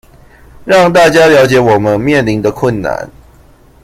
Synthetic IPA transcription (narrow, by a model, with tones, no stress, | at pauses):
ɻɑ˥˨ŋt̪a˥˩t͡ɕja˥ljɑ˧˥ʊt͡ɕjɛ˨˦wɔ˨˩mə˦nmjɛ˥˨nli˨˦ŋd̪ə˨kʰwə˥˩nːa̰˨˦n